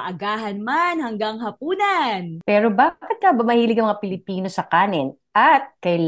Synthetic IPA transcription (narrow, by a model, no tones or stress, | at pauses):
ʔɐɡaːɦɐnmanhɐŋɡɐŋhɐpuːnɐnpɛːɾobaːkɪt̪̚kɐbɐmɐhiːlɪɡɐŋmɐŋapɪlɪpiːno̞sɐkaːnɪn | ʔɐt̪̚kɐjl